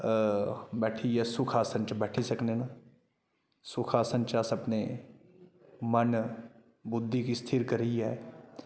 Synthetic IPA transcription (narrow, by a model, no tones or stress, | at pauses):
bɛːʈʰiɛsʊkʰaːsə̃nt͡ʃbɛːʈʰisəknenaː | sʊkʰaːsə̃nt͡ʃasɐpne | mən | bʊd̪ʱːikist̪ʰɪɾkəɾiɦɛː